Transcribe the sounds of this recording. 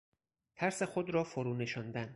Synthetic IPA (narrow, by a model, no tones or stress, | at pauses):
t̪ʰæɾse̞xod̪ɾɒːfoɾuːne̞ʃɒnd̪æn